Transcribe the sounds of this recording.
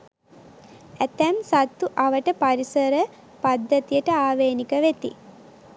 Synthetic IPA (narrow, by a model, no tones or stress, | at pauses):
æt̪ɛmsat̪ːuʔaʋəʈəpɐɾisəɾə | pɐd̪ːət̪ijəʈəaːʋejnikəʋet̪ḭ